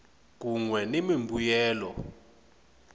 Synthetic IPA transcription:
k̬ʼuŋwɛnemimbʱujɛːlɔ̰

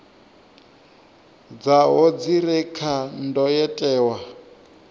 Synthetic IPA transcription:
d͡zaɦɔd͡ziɾɛkʰandɔjɛtʼɛːwa

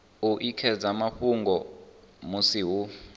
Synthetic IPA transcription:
uʔikʰɛd͡zamaɸuŋɡɔ | musiɦu

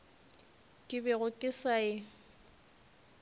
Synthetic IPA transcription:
kʼɪbɛɣʊkʼɪsaɪ

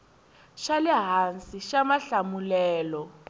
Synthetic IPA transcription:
ʃalɛɦansʼiʃamaɬamulɛːlɔ

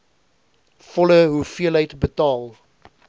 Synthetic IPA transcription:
fɔləɦufiəlɦəjtbətɑːlˠ

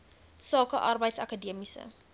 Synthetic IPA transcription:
sɑːkəʔɐrbəjtsɐkadiəmisə̰

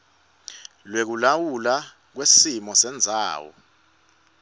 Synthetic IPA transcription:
lwek̬ulawula | k̬wesimɔsɛnd͡zʱa̰ːwɔ̰

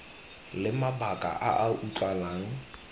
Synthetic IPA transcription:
lɪmabakʼa̰ʔaʔaʔut͡ɬʼalaːŋ̩

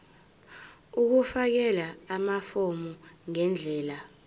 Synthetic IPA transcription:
uk̬ufak̬ɛlaːmafomuŋɛnd͡ɮʱɛːla

